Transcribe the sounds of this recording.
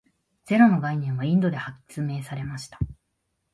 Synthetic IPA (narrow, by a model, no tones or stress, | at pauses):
d͡z̥e̞ɾono̞ɡainẽɰ̃β̞aĩnd̪o̞d̪e̞hakːi̥t͡sɨme̞ːsaɾe̞maɕi̥t̪ḁ